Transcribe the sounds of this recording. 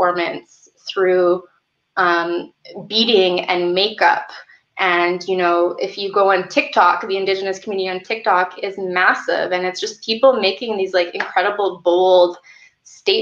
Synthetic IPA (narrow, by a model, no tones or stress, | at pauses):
ɔɹmɨ̃nts | θɹʉ | ʔʌ̃mbiɾɪ̃ŋɨ̰̃nmeɪkʌ̰p | ʔɨ̃njɨnoʊɪfjɨɡoʊə̃ntʰɪk̚tʰɑk̚ðiɨ̃ndɪd͡ʒɨnɨskʰmjʉnɨɾiɨ̃ntʰɪk̚tʰɑkʰɪzmæsɪ̰vɨ̃nɨtsd̥ʒ̥ʌspʰipl̩ˠmeɪkɪ̃ŋðizlaɪkɨ̃nkʰɹ̥ɛɾəbl̩ˠboʊlˠd̥ | steɪ